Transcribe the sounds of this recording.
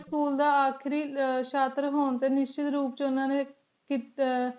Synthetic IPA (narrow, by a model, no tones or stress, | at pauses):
skuːld̪aːaːkʰɾiːʃʰaːt̪ɾɦoːnt̪eːnɪst͡ʃɪt̪ɾuːpt͡ʃʊnãːneː | ki